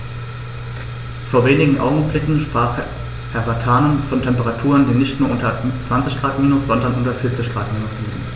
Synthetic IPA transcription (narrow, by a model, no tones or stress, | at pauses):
foːɐveːnɪɡŋ̩ʔa̰ʊɡŋ̩blɪkŋ̩ʃpʁ̥aːχ | hɛɐbatʰaːnənfɔntʰɛmpəʁatʰuːʁəndiːnɪçtnuːɐʔʊntɐt͡sv̥ant͡sɪçɡ̥ʁaːtmiːnʊsz̥ɔndɐnʔʊntɐfɪɐt͡sɪçɡ̥ʁaːtmiːnʊsliːɡŋ̩